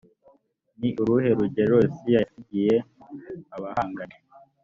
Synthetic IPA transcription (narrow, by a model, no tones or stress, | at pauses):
niʔuɾuhe̞ɾuɟeɾosijaiɟije | aβahaːŋɡane